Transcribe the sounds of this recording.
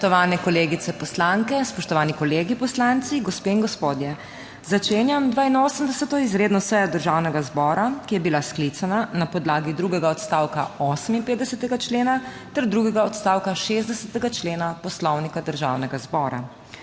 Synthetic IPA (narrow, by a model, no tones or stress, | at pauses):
t̪ɔʋaːnɛkɔleːɡit̪sɛpɔslaŋkɛspɔʃt̪ɔʋaːnikɔleːɡipɔslant̪siɡɔspeːiŋɡɔspoːd̪jɛ | zat͡ʃeːnjamd̪ʋaːinoːsəmd̪ɛsɛt̪ɔizɾeːd̪nɔsɛjɔd̪əɾʒaːwnɛɡazbɔːɾakijɛbilasklit̪sananapɔd̪laːɡid̪ɾuːɡɛɡaɔt̪st̪aːwkaɔːsəminpeːd̪d̪ɛsɛt̪ɛɡat͡ʃleːnat̪ɛɾd̪ɾuːɡɛɡaɔt̪st̪aːwkaʃezd̪ɛsɛt̪ɛɡat͡ʃleːnapɔslɔwnikad̪əɾʒawnɛɡazbɔːɾa̰